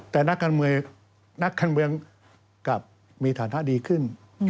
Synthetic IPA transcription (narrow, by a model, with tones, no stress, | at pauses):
t̪ɛː˨˩na˦˥kːaː˧nmɯ˧əŋ | na˦˥kːaː˧nmɯ˧əŋ | ka˨˩p̚ | miː˧t̪ʰaː˩˦na˦˥ʔdiː˧kʰɯ˥˩n